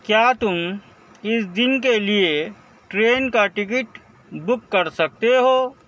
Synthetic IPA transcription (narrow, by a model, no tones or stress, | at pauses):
kjaːt̪ʊm | ɪsd̪ɪnkelie | ʈɾeːnkaʈɪkɪʈ | bʊkːɐɾsɐk̚t̪eɦoː